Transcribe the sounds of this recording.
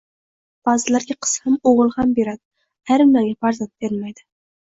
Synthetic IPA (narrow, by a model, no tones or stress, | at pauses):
b̥ɑzɪlaɾɡʲaqʰɨ̥shamoʁɨlˠhambe̞ɾad̪ɪ | aɾɪmaŋɡʲafaɾzant̪̚b̥eɾɪmajd̪ɪ